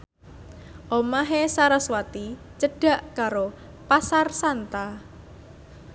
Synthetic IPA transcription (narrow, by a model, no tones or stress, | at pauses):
ʔomaɦesaɾaswat̪i | t͡ʃəɖ̥a̤ʔkaɾo | pasarsant̪a